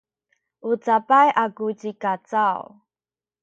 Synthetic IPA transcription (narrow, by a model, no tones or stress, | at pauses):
ʔut͡sapajʔakut͡ɕikat͡saw